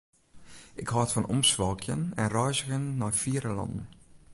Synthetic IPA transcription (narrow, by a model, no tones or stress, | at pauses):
ɪkhɑːtfɔnʔɔ̰msʋɑlˠkʰjənɛ̰nrœjzəɣənːɔːfiːɾəlɑ̰ndn̩